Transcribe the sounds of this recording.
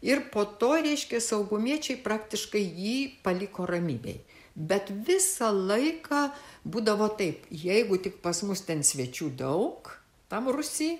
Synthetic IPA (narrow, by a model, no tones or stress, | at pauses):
ɪrpoːt̪oːɾʲɛɪʃʲkʲɛsɐʊɡʊmʲiɛt͡ʃʲɛɪprɑːkt̪ʲɪʃkɐɪjiːpɐlʲɪkoːrɐmʲḭːbʲɛ̰ɪ | bʲɛt̪ʋʲɪsɐlˠɐɪkɑːbuːd̪ɐʋoːt̪ɐɪpjɛɪɡʊt̪ʲɪkpɐsmʊst̪ʲɛnsʲʋʲɛt͡ʃʲuːd̪ɐʊk | t̪ɐmrʊsʲiː